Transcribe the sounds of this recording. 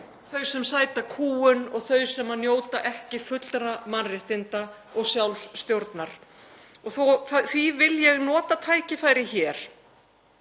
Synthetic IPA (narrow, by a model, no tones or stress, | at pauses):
θœɥsɛmsaːjt̪akʰuːʏnɔɣθœɥsɛmanjoːwt̪aʔɛhcɪfʏt̪l̥t̪ɾamanrɪht̪ɪnt̪a | ɔɣsjawlsːt̪jowɾt̪naɾ̥ | ɔɣθowθaθvivɪljɛɣnɔːt̪at̪ʰaːjcɪfaːjɾɪçɛːɾ̥